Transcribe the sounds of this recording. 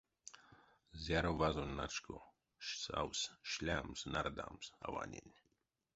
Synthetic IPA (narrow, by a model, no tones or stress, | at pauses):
zʲaɾovazonʲnat͡ʃkʰo | ʃsa̰wsʃlʲamsnard̪a̰msava̰nʲḛnʲ